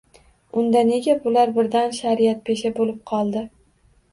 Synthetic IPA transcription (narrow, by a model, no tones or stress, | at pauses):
ʊnd̪ane̞ɡʲabʊlaɾbɪɾd̪anʃaɾɪjat̪̚pʰeʃabolɪp̚qʰɒlˠd̪ɪ